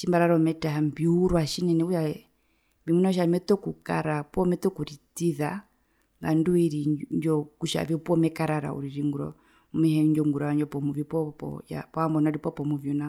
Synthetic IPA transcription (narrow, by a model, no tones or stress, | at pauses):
ʃimbaɾaɾɔmɛtaambiuɾwaʃinɛnɛua | bimunaʃ̬amɛt̪ɔkuka̰ɾapɔmɛt̪ɔkuɾitiða | ŋɡanduiɾiɲd͡ʒɔkuʃa̰viupɔmɛkaɾaɾa̰ṵɾiɾiŋɡuɾɔ̰ | umɛhɛɲd͡ʒɔŋɡuɾaaɲd͡ʒɔpɔmuvjipɔpɔ̰ja̰pɔambɔnaɾipɔpɔmuvjuna